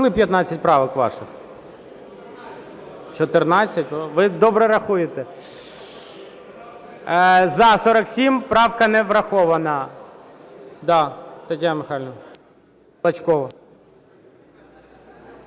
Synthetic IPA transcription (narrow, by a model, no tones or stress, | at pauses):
lɪpʲjɐt̪nɑt͡sʲːɐtʲpɾɑʋɐkʋɑ̰ʃɪx | t͡ʃɔt̪ɪrnɑt͡sʲːɐtʲʋɪd̪ɔbɾɛɾɐxujet̪ɛ | zɐsɔɾɐksʲimpɾɑwkɐnɛʋɾɐxɔʋɐnɐ | d̪ɑt̪ɐtʲjamɪxɑlʲnɔ | ɐt͡ʃkɔʋɐ